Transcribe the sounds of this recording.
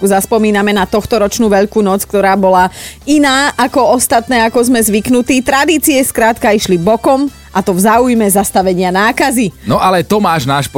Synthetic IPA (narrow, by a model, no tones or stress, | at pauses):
kuzaspɔmiːnamɛnat̪ɔxt̪ɔɾɔt͡ʃnuːʋɛʎkuːnɔt͡sk̚t̪ɔɾaːbɔlainaːʔakɔɔst̪at̪nɛːakɔzmɛzʋiknut̪iːt̪ɾad̪iːt͡siɛskɾaːt̪kaiʃlibɔkɔm | at̪ɔvzaːujmɛzast̪aʋɛɲɪanaːkazinɔʔalɛt̪ɔmaːʒnaːʃp